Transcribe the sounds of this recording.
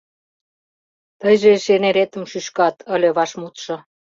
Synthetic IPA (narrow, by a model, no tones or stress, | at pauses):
t̪əjʒeʃeneɾet̪ə̆mʃyʃkɑt̪ʰə̆lʲĕβɑʃmut̪ʃɤ̆